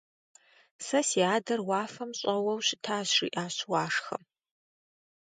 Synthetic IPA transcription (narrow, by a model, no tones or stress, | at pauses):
sɐsiaːdɐrwaːfɐmɕʼɐwɐwɕɪtʰaːɕrḭːʔaːɕwaːʂxɐ̰m